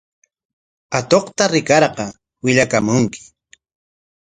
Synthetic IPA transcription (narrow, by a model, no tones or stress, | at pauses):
at̪oqt̪aɾɪkɑɾqɑ | wɪʎakamʊŋkɪ̥